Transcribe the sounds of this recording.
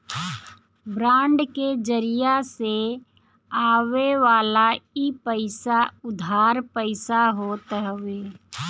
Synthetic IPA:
bɾãːɳɖked͡ʒəɾijase | aːʋeʋaːlaipəɪsaʊd̪ʱaːɾpəɪsaɦoːt̪ɦʋeː

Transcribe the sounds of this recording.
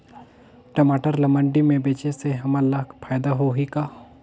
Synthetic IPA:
ʈɐmaːʈəɾlɐməɳɖimẽbeːt͡ʃeseɦɐməlːakpʰaːjd̪aɦoɦikaː

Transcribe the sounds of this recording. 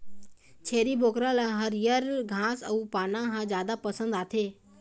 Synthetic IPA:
t͡ʃʰeːɾiboːkɾãlaɦəɾjəɾɡʱãːsɐuːpaːnãɦãd͡ʒjaːd̪apɐsə̃nd̪aːt̪ʰeː

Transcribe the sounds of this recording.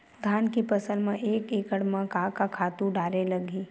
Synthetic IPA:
d̪ʱaːnkipɐsəlmẽʔeːkeːkəɽmãkaːkakʰaːt̪ũɖaːɾelɐɡĩː

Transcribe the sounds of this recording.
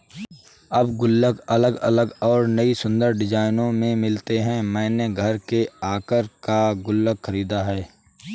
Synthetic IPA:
ɐbɡʊlːəɡɐləɡə̰ləɡɔːɾnəisʊ̃nd̪əɾɖɪd͡ʒaːɪnõmẽmɪlt̪eɦɛ̃mɛ̃ːneɡʱəɾkeaːkəɾkaɡʊlːəkxʰəɾiːd̪aɦɛː

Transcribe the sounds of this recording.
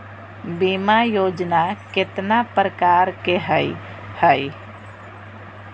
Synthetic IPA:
bimajoːd͡ʒnakɪt̪napɾəkaːɾkeɦəj | həj

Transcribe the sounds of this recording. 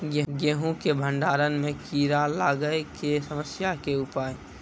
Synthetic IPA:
ɡeɡeːɦũkebʱə̃ɳɖaːɾənmẽkiːɾalaːɡəekesəməsjakeʊpaːe

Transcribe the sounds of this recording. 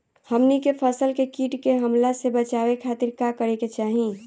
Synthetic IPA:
həmnikepʰəsəlkekiːʈkeɦəmlasebət͡ʃaːwekʰaːt̪iɾkakəɾeket͡ʃaːɦĩ

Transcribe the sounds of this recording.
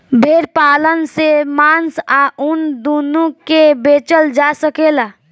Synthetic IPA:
bʱeːɾpaːlənsemaːnsaʔʊnd̪uːnõkebeːt͡ʃəld͡ʒasəkelaː

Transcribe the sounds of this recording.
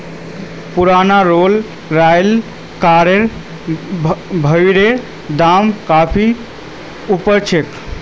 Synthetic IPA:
puɾanaɾol | ɾajl | kaɾeɾ | bʱəɪɾe | d̪amkapʰi | upəɾt͡ʃʰek

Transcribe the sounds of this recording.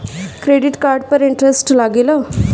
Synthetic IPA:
kɾeɖiʈkaɾɖpəɾiɳʈɾesʈlaɡelə

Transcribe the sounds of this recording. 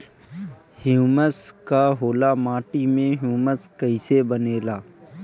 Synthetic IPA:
huːməskaɦoːlamaːʈimẽɦjuːməskəɪsebəneːlaː

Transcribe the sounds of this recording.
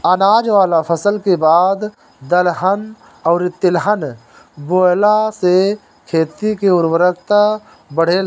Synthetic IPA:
ənaːd͡ʒʋaːlapʰəsəlkebaːd̪ | d̪əlɦən | ɔːɾɪt̪ːɪlɦən | boːlase | kʰeːt̪ikeʊnwəɾəkt̪a | bəɽ̤e

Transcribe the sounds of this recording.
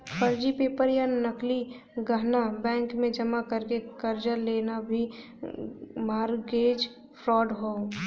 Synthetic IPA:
pəɾd͡ʒipeːpəɾjanəkli | ɡəɦnabɛ̃ːŋkmẽd͡ʒəmakəɾkekəɾd͡ʒəɾleːnabʱi | maːɾɡeːd͡ʒ | pʰɾɔːɖɦoː

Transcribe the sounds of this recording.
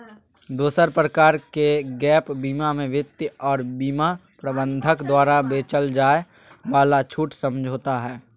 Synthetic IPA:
d̪oːsəɾpɾəkaːɾkeɡɛːpbiːmamẽʋɪt̪jɔːɾbiːmapɾəbə̃nd̪ʱəkd̪waːɾabeːt͡ʃəld͡ʒaːe | baːlat͡ʃʰuːʈsəmd͡ʒʱoːt̪aɦɛː

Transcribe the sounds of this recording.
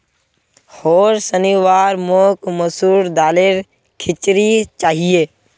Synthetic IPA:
hoːɾsəniʋaːɾmoːkməsuːɾd̪aːlɪɾ | kʰɪt͡ʃɾit͡ʃaːɦijeː

